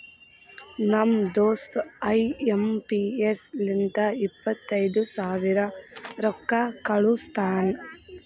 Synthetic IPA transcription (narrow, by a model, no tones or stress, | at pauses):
nɐmd̪oːst̪ɐjempieslint̪ɐipːɐt̪ːɐjd̪usaːʋiɾɐɾɔkːakɐɭust̪ʰaːn